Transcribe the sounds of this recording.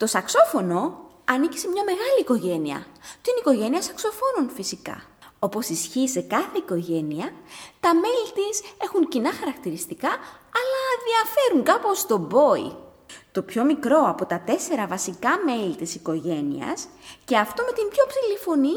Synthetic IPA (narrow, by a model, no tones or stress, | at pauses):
t̪o̞sɐkso̞fo̞no̞ | ɐnici̥semɲɐme̞ɣɐliːko̞ʝe̞niɐ̰t̪iniko̞ʝe̞niɐsɐkso̞fo̞nunfisikɐ̰ | o̞po̞sisçise̞kɐθe̞iko̞ʝe̞niɐt̪ɐme̞lit̪ise̞xuŋcinɐxɐɾɐkt̪iɾist̪ikɐɐlɐðiɐfe̞ɾuŋkɐpo̞st̪o̞bo̞ḭt̪o̞pço̞mikɾo̞ɐpo̞t̪ɐt̪e̞se̞ɾɐvɐsikɐme̞lit̪isiko̞ʝe̞nḭɐ̰sce̞ɐft̪ome̞t̪imbço̞psilifo̞ni